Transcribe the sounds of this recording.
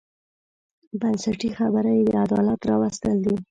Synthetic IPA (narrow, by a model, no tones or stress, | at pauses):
bansaʈixabəɾajed̪əad̪ɑlat̪ɾɑwast̪əld̪i